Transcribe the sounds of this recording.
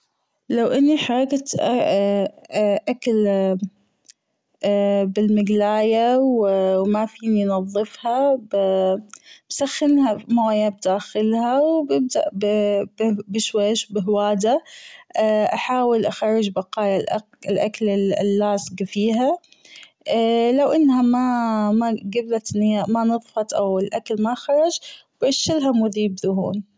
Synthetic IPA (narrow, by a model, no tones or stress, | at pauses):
lawʔɪnːiħaˤɑɡat̪ʔa | ʔakal | bɪlmɪɡlaːjawwmafiːninɑðˤːɨfhab | b̥saxːɪnhamaːjab̚d̪aːxɪlhawbɪb̚d̪a̰ʔb | bɪʃwaːʃbɪɦwaːd̪a | ʔaħaːwɪlʔaxɑɾˤːɪd͡ʒbɑqɑːjalʔ | lʔaklɪlːaːsɡfiːɦa | lawʔɪnːhamamaɡablat̪ɪnːjamanɨðˤfɑt̪ʔawɪlʔaklmaxɑɾˤɑd͡ʒ | bʕɪʃːɪlɦamʊðiːbðʊɦṵːn